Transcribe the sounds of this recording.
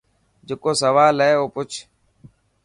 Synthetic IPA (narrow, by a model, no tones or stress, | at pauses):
d͡ʒekoːsəʋaːlɛːoːpʊt͡ʃʰ